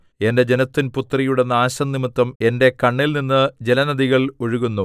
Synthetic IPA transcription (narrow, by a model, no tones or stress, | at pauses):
e̞nde̞d͡ʑe̞nɐt̪ːinput̪ːrɐjuɽenːaːɕɐnnimut̪ːɐme̞nde̞kɐɳːilninːɨd͡ʑe̞lɐnɐd̪iɣɐɭoɻuɣunːu